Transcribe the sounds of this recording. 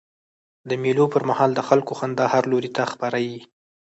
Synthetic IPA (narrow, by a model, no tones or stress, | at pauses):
d̪əmilopəɾmahɑld̪əxalkoxand̪ɑhaɾloɾit̪axpaɾaji